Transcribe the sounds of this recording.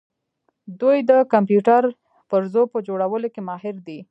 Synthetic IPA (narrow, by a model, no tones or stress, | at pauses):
d̪ujd̪əkampjuʈaɾ | pəɾzopəd͡ʒoɽawəlokemɑɦɪɾd̪i